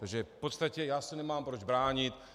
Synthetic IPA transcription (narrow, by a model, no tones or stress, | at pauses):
t̪aɡʒɛfpot̪st̪acɛjaːsɪnɛmaːmpɾod͡ʒbɾaːɲɪt̪